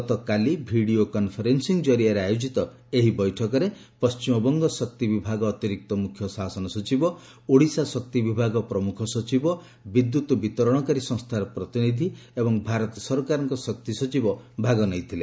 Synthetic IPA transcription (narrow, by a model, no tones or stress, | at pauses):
ɔt̪ɔkalibʱiɽiokɔnpʰɔɾensiŋd͡ʒɔɾiaɾeajod͡ʒit̪ɔ | eɦibɔjʈʰɔkɔɾepɔst͡ʃimɔbɔŋɡɔsɔk̚t̪ibibʱaɡɔːt̪iɾik̚t̪ɔmukʰjɔsasɔnɔsɔt͡ʃibɔ | oɽisasɔk̚t̪ibibʱaɡɔpɾɔmukʰɔsɔt͡ʃibɔ | bid̪jut̪ɔbit̪ɔɾɔɽ̃ɔkaɾisɔ̃ŋst̪ʰaɾɔpɾɔt̪inid̪ʱiebɔŋbʱaɾɔt̪ɔsɔɾɔkaɾɔŋkɔsɔk̚t̪isɔt͡ʃibɔbʱaɡɔnɔjt̪ʰile